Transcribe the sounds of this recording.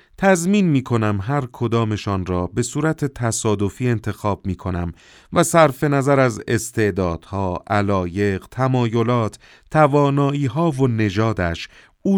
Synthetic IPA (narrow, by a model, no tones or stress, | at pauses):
t̪ʰæzmiːnmiːkʰo̞næmɦæɾkʰo̞d̪ɒːme̞ʃɒːnrɒːbe̞suːɾæt̪ʰe̞t̪ʰæsɒːd̪o̞fiːe̞nt̪ʰe̞xɒːb̥̚miːkʰo̞næm | væsæɾfe̞næzæɾæze̞̰st̪ʰe̞d̪ɒːd̪̥hɒːʔælɒːje̞ɢt̪ʰæmɒːjo̞lɒːt̪ʰ | t̪ʰːævɒːnɒːiːɦɒːvone̞d͡ʒɒːd̪æʃ | uː